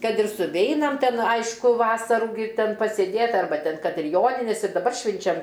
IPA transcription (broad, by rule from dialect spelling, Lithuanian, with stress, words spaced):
ˈkɐt ɪr sʊˈʋʲɛɪnɐm ˈtʲɛn ˈɐɪʃkʊ ˈʋɑːsɐruː ɡʲɪ ˈtʲɛn pɐsʲeːˈdʲeːt ɐrˈbɐ ˈtʲɛn ˈkɐt ɪr ˈjoːnʲɪnʲeːs ɪr dɐˈbɐr ˈʃʲʋʲɪnʲt͡ʃʲɛm